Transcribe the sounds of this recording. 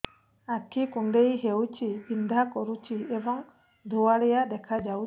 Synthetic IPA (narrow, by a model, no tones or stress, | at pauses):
akʰikuɳɖejɦewt͡ʃibind̪ʱakɔɾut͡ʃiebɔŋ | d̪ʱuwaɽɛjad̪ɛkʰad͡ʒaw